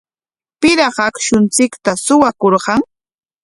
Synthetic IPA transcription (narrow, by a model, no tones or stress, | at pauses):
pɪɾɑχakʃʊnt͡sɪkt̪asʊwakoɾɢɑŋ